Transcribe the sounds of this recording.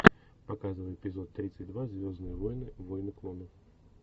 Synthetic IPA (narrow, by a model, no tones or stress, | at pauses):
pɐkazɨvəjpʲɪzo̞t̪ːɾʲit̪sɨt̚ʲd̪vazʲvʲo̞znɨjəvojnɨvojnɨklˠonəf